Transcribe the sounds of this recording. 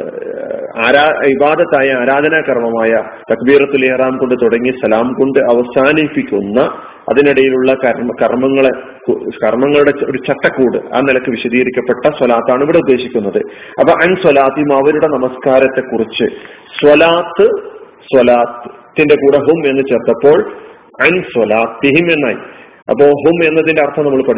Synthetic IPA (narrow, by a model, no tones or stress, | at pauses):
aːɾaːibaːd̪ɐt̪ːaːjɐaːɾaːd̪ʱɐnaːkɐrmɐmaːjɐ | t̪ɐkbiːrɐt̪ːuleːɐraːmko̞ɳɖɨt̪oɽɐŋːisɐlaːmko̞ɳɖɨʔɐʋɐsaːnipːikʲːunːɐ | ɐ̰ðiniɽɐjiluɭːɐkɐɾmkɐrmɐŋːɐɭe | kkɐrmɐŋːɐɭuɽe̞o̞̰ɾut͡ɕɐʈːɐkːuːɽɨ̰a̰ːnilɐkːɨʋiɕɐðiːɣɐɾikʲːɐpːe̞ʈːɐswɐlaːt̪ːaːɳiʋiɽe̞ud̪ːe̞ːɕikʲːunːɐðɨ | ɐpːɐːʔɐnswɐlaːt̪ːiɦimɐʋɐɾuɽe̞nɐmɐskaːɾɐt̪ːe̞kːurit͡ɕːɨ | swɐlaːt̪ːɨ | swɐlaːt̪t̪ːinde̞kuːɽɐɦume̞nːɨt͡ɕeːrt̪ːɐpːo̞ːɭ | ɐnswɐlaːt̪ːiɦime̞nːaːjḭ | ɐ̰pːo̞ːɭɦume̞nːɐðindeɐrt̪ʰɐmnɐmːɐɭpɐɽ